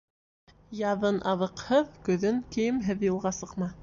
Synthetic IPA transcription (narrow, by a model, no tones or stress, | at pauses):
jɑðɤnʔɑðɤ̆qhɤðkɵ̆ðɘŋkijɘmɦɘðjŭlˠʁɑsɤ̆qmɑ